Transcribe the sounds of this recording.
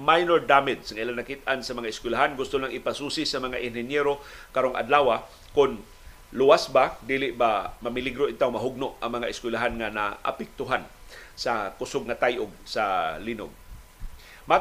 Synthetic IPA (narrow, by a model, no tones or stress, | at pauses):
majnoɹd̪amɪd̪sŋailanːakit̪̚ʔansamɐŋaɪskwɪlaɦanɡʊst̪ʊlaŋɪpasuːsɪsamɐŋaʔɪnhɪnjɛɾokaɾoŋʔa̰d̪laːwa | kʊn | lʊwasbad̪iːlɪʔbamamɪliɡɾoit̪awmaɦʊɡ̚noʔa̰ŋmɐŋaʔɪskwɪlaɦanŋana̰ʔa̰pɛk̚t̪ʊɦansakʊsoɡ̚ŋat̪ajʔʊɡ̚salino̰ɡ̚ | ma